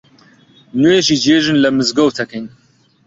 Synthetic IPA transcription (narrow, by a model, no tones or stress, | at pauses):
nujeʒid͡ʒeːʒɨnlɐmɨzɡowt̪ʰɐkʰejn